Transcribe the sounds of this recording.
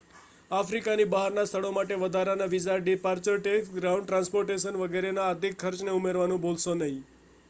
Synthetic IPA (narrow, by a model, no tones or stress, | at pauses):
afɾikanibaɦaɾnast̪ʰəɭomaʈeʋəd̪ʱaɾanaʋid͡ʒaɖipaɾt͡ʃəɾʈekɡɾaũɳɖʈɾãnspoɾʈeʃənʋəɡeɾenaəd̪ʱikʰːəɾt͡ʃneumeɾʋanũbolʃonəɦĩ